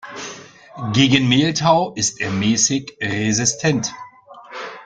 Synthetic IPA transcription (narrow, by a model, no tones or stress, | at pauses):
ɡeːɡənmeːltʰaʊʔɪstʔeːɐmɛːsɪçʁezɪstʰɛnt